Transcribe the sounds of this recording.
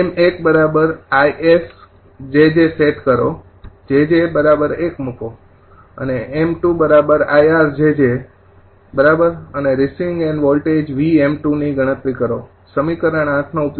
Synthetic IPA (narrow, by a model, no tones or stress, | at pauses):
emekbəɾabəɾajʔes | d͡ʒed͡ʒeseʈkəɾo | d͡ʒed͡ʒebəɾabəɾekməko | ə̰neemʈubəɾabəɾajaɾsd͡ʒed͡ʒe | bəɾabəɾəneɾisiŋɡɛɳɖʋɔlʈed͡ʒʋiemʈuniɡəɽ̃ə̃t̪ɾikəɾo | səmikəɾəɳ̃ãtʰnoupj